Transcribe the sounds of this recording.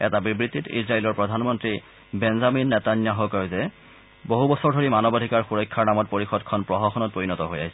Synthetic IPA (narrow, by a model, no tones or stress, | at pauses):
ɛtabibɹitːitḭzɹaelɔɹpɹɔdʱanmɔntɹi | bɛnzaminːɛtanjaɦɔkɔjʊzɛ | boɦubɔsɔɹdʱoɹimanɔbadʱikaɹxuɹɔjkʰːaɹnamɔt̚poɹixɔdkʰɔnpɹɔɦɔxɔnɔt̚pɹoɹinɔtɔɦoja̰ɦisɛ